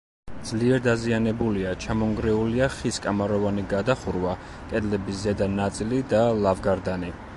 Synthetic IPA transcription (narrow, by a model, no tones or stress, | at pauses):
d̪zliɛɾd̪azianɛbuliat͡ʃʰamɔŋɡɾɛuliaχiskʼamaɾɔvaniɡad̪aχuɾva | kʼɛd̪lɛbiszɛd̪anat̪sʼilid̪alˠavɡaɾd̪ani